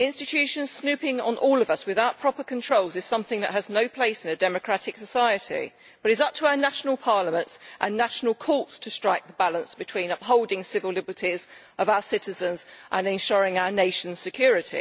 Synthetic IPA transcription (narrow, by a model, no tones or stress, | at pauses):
ɪ̃nstɪt͡ʃʰʉˑʃə̃nz̥snʉˑpɪ̃ŋə̰̃nʔɔːlˠʌvʌswɪðaʊʔ̚pʰɹ̥ɒpəkʰə̃ntʰɹ̥oʊlˠzɨz̥sʌ̃mθɪ̃ŋðə̰ʔ̚ɦəznəʊpʰl̥eɪsɪ̃nɨdɛməkʰɹ̥atɪksəsaɪətʰḭ | b̥ʌɾɨzʌp̚tʰəaʊənaʃnəlˠpʰɑɹləmə̃ntsʔə̃nːaʃnəlˠkʰɔˑtstʰəstɹ̥aɪk̚ðəbalə̃nsb̥ɨtʰw̥ĩːnʌpɦoʊlˠdɪ̃ŋsɪvəlɪbətʰiz | əvaʊəsɪtɪzə̃nzʔə̃nɪ̃nʃɔɹɪ̃ŋaʊəneɪʃə̃n̩z̥sɨkʰj̥ɔːɹɪtʰḭ